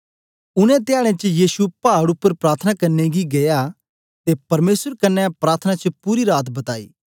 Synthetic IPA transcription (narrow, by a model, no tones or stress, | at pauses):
ʊnɛ̃t̪ɪjaːɽ̃ẽt͡ʃjiːsupaːɽʊpːəɾpɾaːt̪ʰənakɐɾneɡiɡɐja | t̪epɐɾmeːsəɾkɐnːɛpɾaːɾt̪ʰnat͡ʃəpuːɾiɾaːt̪bɐt̪aːḭː